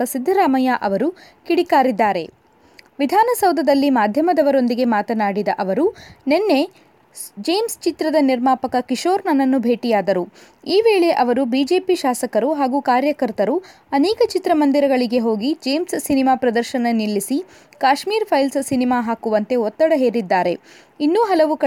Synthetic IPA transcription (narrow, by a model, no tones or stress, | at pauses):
ɐsid̪ʱːɐɾaːmɐjaʔɐʋɐɾu | kiɽikaːɾid̪ːaːɾe̞̰ | ʋid̪ʱaːnɐsɐwd̪ʱɐd̪ɐlːimaːd̪ʱjɐmɐd̪ɐʋɐɾo̞nd̪iɡe̞maːt̪ɐnaːɽid̪ɐʔɐʋɐɾune̞nːe̞ | d͡ʒe̞ːmst͡ʃit̪ɾɐd̪ɐniɾmaːpɐkɐkiʂoːɾnɐnːɐnːubʱe̞ːʈijaːd̪ɐɾu | iːʋe̞ːɭe̞ʔɐʋɐɾubiːd͡ʒe̞ːpiʃaːsɐkɐɾuɦaːɡuːkaːɾjɐkɐɾt̪ɐɾu | ɐnɛːkɐt͡ʃit̪ɾɐmɐnd̪iɾɐɡɐɭiɡe̞ɦo̞ːɡid͡ʒe̞ːmssinimaːpɾɐd̪ɐɾʃɐnɐnilːisi | kaːʃmiːɾpʰɐjlssinimaːɦaːkuʋɐnt̪e̞ɔt̪ːɐɽɐɦe̞ːɾid̪ːaːɾe̞ | inːuːɦɐlɐʋuk